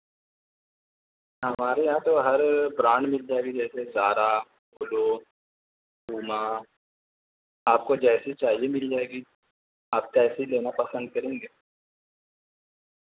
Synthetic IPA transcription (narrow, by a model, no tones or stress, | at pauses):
ɦɐmaːɾejɐɦãt̪oɦɐɾbɾãːɳɖmɪld͡ʒaːeɡid͡ʒɛːsezaːɾa | kʊlo | kuːma | aːp̚kod͡ʒɛːsit͡ʃaːɦiemɪld͡ʒaːeɡi | aːp̚kaɛːsileːnapɐsə̃nd̪̚kɐɾẽːŋɡeː